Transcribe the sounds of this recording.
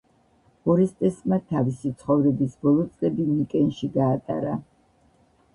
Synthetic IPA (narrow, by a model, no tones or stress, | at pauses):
ɔɾɛst̪ʼɛsmat̪ʰavisit̪sʰχɔvɾɛbisbɔlˠɔt̪sʼlɛbimikʼɛnʃiɡaːt̪ʼa̰ɾa